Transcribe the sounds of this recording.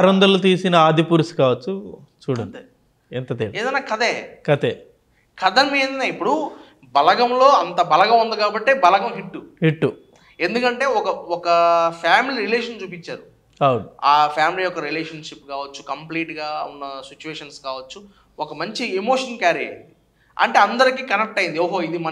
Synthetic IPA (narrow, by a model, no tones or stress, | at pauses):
ɾɐnd̪ɐlot̪iːsinɐaːd̪ipuːɾsi̥kaːʋɐt͡ʃːu | t͡ʃuːɽɐnd̪ | ɛnt̪ɐt̪iːɽeːd̪ɐjnːaːkɐd̪eːkɐt̪eː | kɐd̪ɐnmeːnd̪ɐnaːipːuɽu | bɐlɐɡɐmlo̞ːɐnt̪ɐbɐlɐɡɐmund̪ikaːbɐʈːe̞ːbɐlɐɡɐmɦiʈːuhiʈːu | e̞nd̪ukɐɳʈe̞ːɔkɐɔkɐpʰaːmiliɾileːʂɐnt͡ʃuːpit͡ʃːaːɾu | ɐwunuaːpʰjaːmilijɔkːɐɾileːʂɐnʂip̚ːkaːʋɐt͡ʃːu̥kɐmpliːʈɡaːunːɐsit͡ʃːueːʂɐnskaːʋɐt͡ʃːu | ɔkɐmɐɲt͡ʃiemo̞ːʂɐnkaːɾiɐ̰i | ɐ̰ɳʈe̞ːɐnd̪ɐɾikiːkɐnek̚ʈɐjind̪ioːɦoːid̪imɐ